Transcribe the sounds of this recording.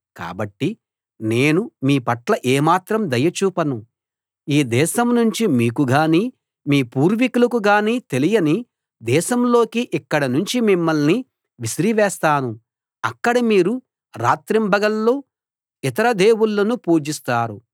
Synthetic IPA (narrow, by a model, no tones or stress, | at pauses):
ka̰ːbɐʈːi | ne̞ːnumiːpɐʈlɐʔeːmaːt̪ɾɐmd̪ɐjɐt͡ʃuːpɐnu | iːd̪ɛːʃɐmnuɲt͡ʃimiːkuɡaːniː | miːpuːɾʋikulɐkuɡaːniːt̪e̞lijɐni | d̪ɛːʃɐmlo̞ːkiʔikːɐɽɐnuɲt͡ʃimimːɐɭni | ʋisɾiʋɛːst̪aːnu | ɐkːɐɽɐmiːɾu | ɾaːt̪ɾimbɐɡɐlːo̞ː | it̪ɐɾɐd̪e̞ːwuɭːɐnupuːd͡ʒist̪aːɾu